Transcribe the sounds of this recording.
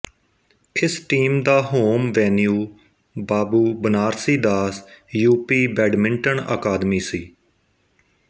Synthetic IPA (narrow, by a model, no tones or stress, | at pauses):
ɪsʈiːmd̪aːɦoːmʋɛːnjuː | baːbuːbənaːɾsiːd̪aːsjuːpiːbɛːɖmɪ̃ɳʈənə̰kaːd̪miːsiː